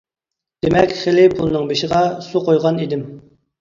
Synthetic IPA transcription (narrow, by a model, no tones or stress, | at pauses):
d̪̥emɛkʲχelɪpʰulˠnɨŋbeʃɪʁɑsuqʰojʁɑnid̪ɪm